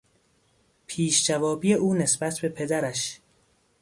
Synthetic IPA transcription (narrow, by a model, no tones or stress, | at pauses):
pʰiːʃd͡ʒævɒːbiːjeʔuːne̞sbæt̪ʰbe̞pʰe̞d̪æɾæʃ